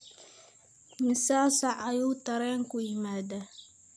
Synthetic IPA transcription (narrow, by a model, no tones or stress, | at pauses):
misasaʔajut̪aɾɛŋkujimaːda